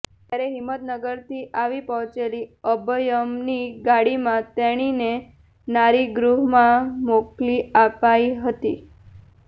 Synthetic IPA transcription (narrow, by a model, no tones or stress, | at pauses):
t̪jaɾeɦimːət̪nəɡəɾt̪iʔaʋipəɦt͡ʃeliəbəjəmniɡaɽimãt̪ɛɽ̃ine | naɾiɡɾuɦmãmokliapaiɦət̪i